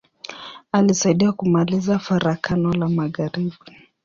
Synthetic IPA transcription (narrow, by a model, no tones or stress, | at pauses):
alisaiɗiakumalizafaɾakʰanɔlamaɣaɾiɓi